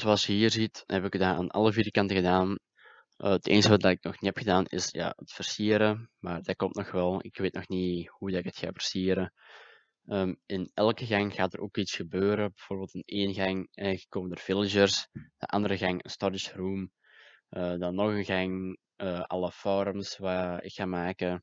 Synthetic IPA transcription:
zoɑlˠsjəɦiːrzithɛpɪkdaːa̰ːnʔɑ̰lˠəviːɾkɑntəɣədaːn | ʔəətʰḛːnstəʋadɑtɪk̚nɔxnihɛpxədaːnɪ̰sja̰ːətfərsiːəɾəmaːrdakɔmtnɔxʋɛlˠɪ̰kʋeːtnɔxnihudɑtɪkətxa̰ːvərsiːɾə | əːmɪnɛlˠkəɣɑŋɣaːtəɾʔoːkitsxəbøːɾəbəv̥oːrbeːlˠtəneːnɣɑŋəəkoːməndərv̥ɪlˠɪʒərsd̥ə̰ʔɑ̰ndəɾəɣɑŋə̰nstɔɾɪʃruːm | ʔədɑnːɔxənɣɑŋ | əʔɑlˠəfoɾəmsʋaːɪ̰kxaːmaːkə

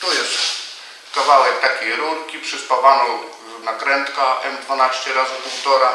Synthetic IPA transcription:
t̪ɔjɛst̪ | kavawɛk̚t̪akʲejɾulkʲipʂɛspavanɔ | nakɾɛnt̪kaʔɛmd̪vanaɕt͡ɕɛɾazpuwt̪ɔɾa

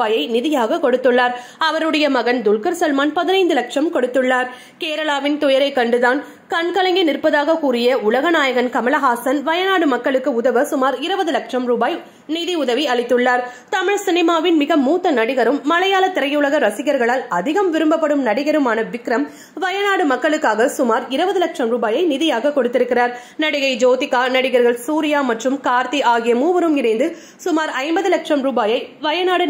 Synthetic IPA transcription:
aːjɐɪnɪðɪjaːɣɐkɔɽɯt̪ːɯɭːaːɾ | ɐʋɐɾɯɽɐjɐmɐɣɐnd̪ʊɭkɐɾsɐlmaːnpɐðɪnɐɪnd̪ɯlɐkʂɐmkɔɽɯt̪ːɯɭːaːɾ | keːɾɐɭaːʋɪnt̪ʊjɐɾɐɪkːɐɳɖɯðaːn | kɐnkɐlɐŋɡɪnɪrpɐðaːɣɐkuːɾɪjɐʊɭɐɣɐnaːjɐɣɐnkɐmɐlɐɣaːsɐnʋɐjɐnaːɽɯmɐkːɐɭɯkːɯʊðɐʋɐsʊmaːɾɪɾɯbɐðɯlɐkʂɐmɾuːbaːj | niːðiʊðɐʋiɐɭɪt̪ːɯɭːaːɾ | t̪ɐmɪɻsɪnɪmaːʋɪnmɪɣɐmuːt̪ːɐnɐɽɪɣɐɾɯmːɐlɐjaːlɐt̪ːɪɾɐjʊɭɐɣɐɾɐsɪɣɐɾɣɐɭaːlɐðɪɣɐmʋɪɾɯmbɐpːɐɽɯmnɐɽɪɣɐɾɯmaːnɐʋɪkɾɐm | ʋɐjɐnaːɽɯmɐkːɐɭɯkːaːɣɐsʊmaːɾɪɾɯbɐðɯlɐkʂɐmɾuːbaːjɐɪnɪðɪjaːɣɐkːɔɽɯt̪ːɪɾɯkːɪraːɾ | nɐɽɪɣɐɪd͡ʒoːt̪ɪkːaːnɐɽɪɣɐɾɣɐɭsuːɾɪjaːmɐʈrɯmkaːɾt̪iʔaːɣɪjɐmuːʋɐɾɯmɪnɐɪnd̪ɯ | sʊmaːɾɐɪmbɐðɯlɐkʂɐmɾuːbaːjɐɪʋɐjɐnaːɽɯ

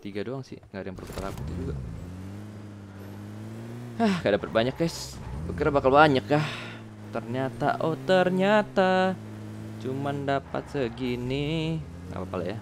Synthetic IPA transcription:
t̪iɡadoaŋsɪ̰hŋɡadjaŋpərukət̪alabut̪ud͡ʒuɡa | ahɡadapət̪̚baɲakːajs | bəkiɾabakalbaɲakːah | t̪ərɲat̪a̰ʔoht̪ərɲat̪a | t͡ʃumandapa̰t̪̚səɡini | a̰papalaja

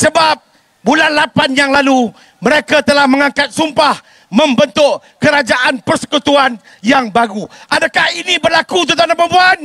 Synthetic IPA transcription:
səbap̚ | bulanlapanjaŋlalu | mə̃ɾekat̪əlahmə̃ŋãkat̪̚sumpah | mə̃mbənt̪ʊʔ | kəɾad͡ʒaʔanpərsə̥kut̪uan | jaŋbaɡuʔadakahinĩbərlakut̪̬ut̪anapəbuan

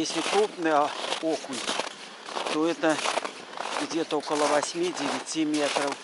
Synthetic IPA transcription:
jesʲlʲikɾupnɨjokunʲ | t̪oɛt̪ɐ | ɡd͡zʲet̪ɐokɐlˠɐʋasʲmʲid͡zʲeʋʲit͡sʲːimʲet̪ɾɐw

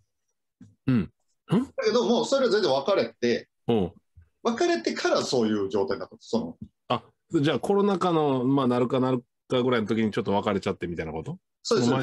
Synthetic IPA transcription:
ɯ̟̃ɴ | ɯ̟̃d̪̥ake̞d̪o̞moːso̞ɾe̞azenzẽβakaɾe̞t̪e̞ | õː | βakaɾe̞t̪e̞kʰaɾaso̞ːjɯ̟ːd͡ʑo̞ːt̪ainat̪ːat̪ːsono | a | sod͡ʑaːkʰo̞ɾo̞nakano̞maːnaɾɯ̟kanaɾɯ̟ | kaɡɯ̟ɾaino̞t̪o̞kʲiɲ̟it͡ɕo̞t̪ːo̞βakaɾe̞t͡ɕat̪ːe̞mʲit̪ainako̞t̪o | soːd̪

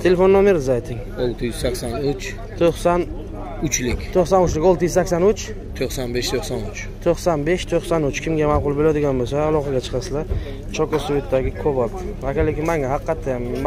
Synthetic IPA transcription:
t̪ʰe̞lefo̞nːɒmeɾɪzajt̪ʰɪŋ | olˠt̪ʰɪjyz̥sakʲsanʊt͡ʃ | t̪ʰoχsan | ʊt͡ʃlɪkʲt̪ʰoχsanʊt͡ʃlɪkolˠt̪ɪjyzsakʲsanʊt͡ʃ | t̪ʰoχsanbeʃt̪ʰoχsanʊt͡ʃ | t̪ʰoqsanbeʃt̪ʰoχsanʊt͡ʃkʲʰɪmɡʲamaqʊlˠbelad̪ɪɡʲanbosaːlˠɒqʰɑɡʲat͡ʃʰɨ̥qʰɑsɪla | t͡ʃʰɒkɔsuet̪ːd̪aɡʲɪkʰopɒlˠd̪ɪvakʲalɪkʲɪmaŋahɑqːɑt̪ʰːajam

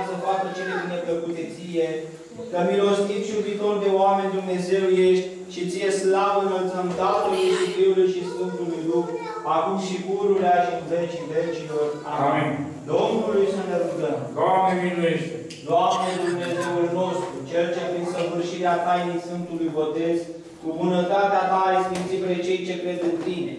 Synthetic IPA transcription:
səfak̪ət͡ʃeled̪inepəkut̪et̪sije | kəmilo̞st̪it̪sjubit̪o̞rd̪e̞oame̞nʲd̪umne̞ze̞wjeʃt̪ʲ | t͡ʃit̪sijeslavəɨnəlt̪səmt̪at̪əllisifɾiulujʃisfɨnt̪ulujlukɾ | akumsiɡuɾuleaʃiɨnvet͡ʃidet͡ʃilo̞ramin | d̪omnulujsunt̪ed̪uɡ̪əmd̪oamnevinujeʃt̪e | d̪oamned̪umne̞ze̞ulno̞st̪ɾut͡ʃe̞lt͡ʃepɾinsəvɨrʃiɾeat̪ajnejsfɨnt̪ulujbo̞t̪e̞z | kubunət̪at̪eat̪aɾesfimt̪sipɾet͡ʃe̞jt͡ʃe̞kɾe̞d̪ɨnt̪ine̞̰

